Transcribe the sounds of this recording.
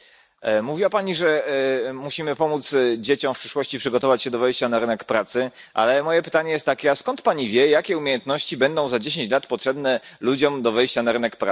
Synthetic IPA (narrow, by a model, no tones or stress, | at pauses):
muvʲiwapaɲiʐɛmuɕimɘpɔmut̪sd͡ʑet͡ɕɔ̃w̃fpʂɘ̥ʂwɔɕt͡ɕipʂɘɡɔt̪ɔvat͡ɕɕɛd̪ɔvɛjɕt͡ɕanaɾɘnɛkpɾat̪sɘ | ʔa̰lɛmɔjɛpɘ̥t̪aɲɛjɛst̪ːakʲɛaskɔnt̪paɲivʲjɛjakʲɛumʲejɛnt̪nɔɕt͡ɕibɛnd̪ɔ̃w̃zad͡ʑeɕ̬ẽɲt͡ɕlat̪pɔtʂɛbnɛlud͡ʑɔmd̪ɔvɛjɕt͡ɕanaɾɘnɛkpɾa